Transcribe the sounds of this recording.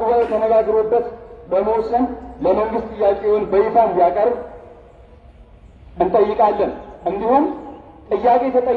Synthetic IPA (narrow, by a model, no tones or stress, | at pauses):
bət̪ʰənəɡaɡɾobːət̪bəmowsʼɨnləməŋɡɨst̪ʼɨjːakʼewonbəjifʰand̪ijakʼəɾb | ʔɨnt̪ʼəjːɪkʼalːənʔɨnd̪iho̞n | t̪ʼɨjːakʼe̞t̪ʰət̪ʼə